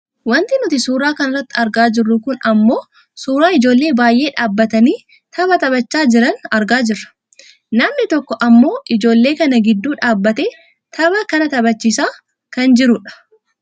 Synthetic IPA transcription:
wɐnt̪ɪnʊt̪ɪsuːɾaːkɐnɪrːɐt̪ːɪɐɾɡaːd͡ʒɪrːʊkʊnɐmːo̞ː | suːɾaːɪd͡ʒo̞ːlːe̞ːbaːjʔe̞ːᶑaːbːɐt̪ɐniː | t̪ɐbɐt̪ɐbɐt͡ʃːaːd͡ʒɪɾɐnɐɾɡaːd͡ʒɪrːɐ̥ | nɐmnɪt̪ɔkːɔʔɐmːo̞ːɪd͡ʒo̞ːlːe̞ːkɐnɐɡɪd̪ːuːᶑaːbːɐt̪eː | t̪ɐbɐkɐnɐt̪ɐbɐt͡ʃːisaː | kɐnd͡ʒɪɾʊᶑɐ̥

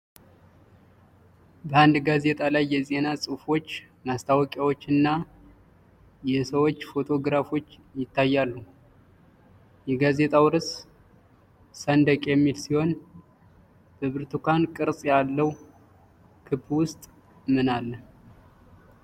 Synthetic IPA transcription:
bəand̪ɡaze̞t̪ʼalajːɛze̞nasʼɨfo̞t͡ʃː | mast̪ʰawɔkʼjawot͡ʃːɨnːa | jɛsəwo̞t͡ʃːfo̞t̪ʰo̞ɡɾafo̞t͡ʃː | jɪt̪ːajːalːu | jɛɡaze̞t̪ʼawɾɨs | sənd̪əkʼjɛmːilsiho̞n | b̥əβɨɾt̪ʰukankʼɨɾsʼjalːəw | kʰɨbwʊst̪ʼ | mɨnalːə

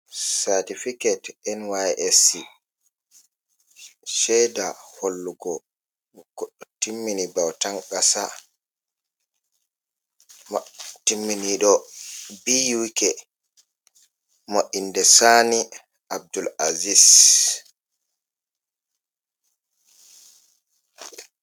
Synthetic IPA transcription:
saɾtifikɛtɛnwajʔesi | ʃɛjdaholːuɡɔ | ɡ̥ɔɗːɔtimːinibawtaŋɡasa | mtimːiniɗɔbijukɛ | moʔindɛsani | ʔab̚dulazis

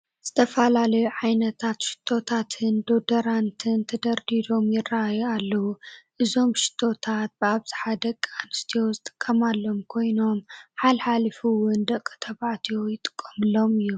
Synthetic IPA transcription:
z̥ɨt̪ʰɐfɐlalɐjuʕajnɐt̪ʰat̪ʃɪ̥t̪ʰːo̞t̪ʰat̪ʰɨnd̪o̞d̪ɐɾant̪ʰɨnt̪ʰɐd̪ɐɾd̪id̪o̞mjɪrːaajualːɐwuʔɨzo̞mʃɪ̥t̪ʰːo̞t̪ʰat̪̚bɨaβzi̥ħad̪ɐkʼːanɨst̪ʰijowzɨt̪ʼɨ̥kʼːɐmalːo̞mkʰo̞jno̞mħalħalɨfuwʊnd̪ɐkʼːɨ̥t̪ʰɐβaʕt̪ʰijojɪt̪ʼɨ̥kʼːɐmɨlːo̞mɨjːu

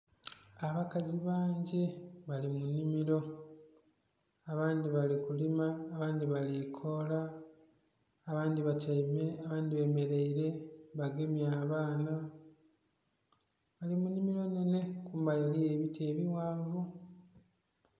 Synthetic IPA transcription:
aβakaziβaːɲɟe̞βalimunːimiɾo̞ | aβaːnd̪iβalikulimaːβaːnd̪iβalikʰo̞la | βaːndiβatemeaβaːndiβe̞me̞ɾeiɾe̞βaɡe̞mjaːβaːna | βalimunːimiɾo̞nene̞kuːmbajolije̞βitʰe̞ːβiwaːɱvu

